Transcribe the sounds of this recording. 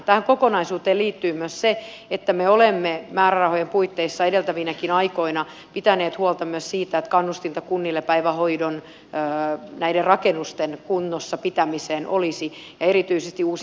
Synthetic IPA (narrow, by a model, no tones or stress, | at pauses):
t̪æhæŋkokonɑisuːt̪eːliːt̪ːyːmyøsse | et̪ːæmeolemːemæːɾærɑhojempuit̪ːeisːɑeɾelt̪æʋinækinɑikoinɑ | pit̪æneːt̪huolt̪ɑmyøssiːt̪æet̪kɑnːust̪int̪ɑkunːilːepæiʋæhoidonː | næiderrɑkenːust̪enkunːosːɑpit̪æmiseːnʔolisi | jɑeɾit̪yisest̪iuːs